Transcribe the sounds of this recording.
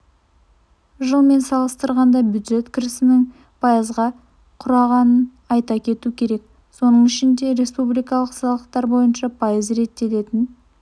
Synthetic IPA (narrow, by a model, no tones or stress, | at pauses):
ʒəlˠme̞nsɑlˠəst̪əɾʁɑnd̪ɑbjud̪ʒe̞t̪kʲʰɪɾɪsɪnɪŋ | pʰɑjəzʁɑ | qʰʊɾɑʁɑnən | ɑjt̪ɑkʲʰe̞t̪ukʲʰe̞ɾe̞k̚ | so̞nəɴɪʃɪnd̪e̞ɾe̞spublijkɑlˠəqsɑlˠəqt̪ɑɾbo̞jənʃɑpʰɑjəzɾe̞t̪ːe̞t̪e̞t̪ɪn